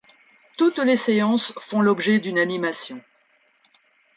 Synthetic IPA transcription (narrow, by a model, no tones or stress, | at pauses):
t̪ut̪leseɑ̃sfɔ̃lɔbʒɛd̪ynanimasjɔ̃